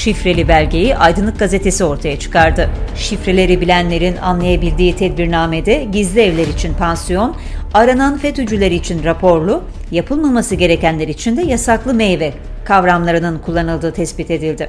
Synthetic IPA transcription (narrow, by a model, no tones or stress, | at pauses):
ʃifɾe̞lʲibælʲɟe̞jiʔajd̪ɯnˠɯk̚ɡazet̪ʰe̞sio̞ɾt̪ʰajat͡ʃʰɯ̥kʰaɾd̪ɯʃifɾe̞lʲe̞ɾibilʲænlʲe̞ɾina̰nlˠajabilʲd̪iːt̪ʰɛd̪biɾnaːme̞d̪ɛɟizlʲiɛvlʲeɾit͡ʃʰinpʰansijo̞n | aɾananfɛt̪yd͡ʒylʲe̞ɾiːt͡ʃʰinɾapʰo̞ɾlˠu | japʰɯlˠmamasɯɟe̞ɾe̞cænlʲeɾiːt͡ʃʰind̪ɛjasaklˠɯmejvɛ | kʰavɾamlˠaɾɯnɯnkʰulˠːanɯlˠd̪ɯːt̪ʰɛsbit̪e̞d̪ilʲd̪ɪ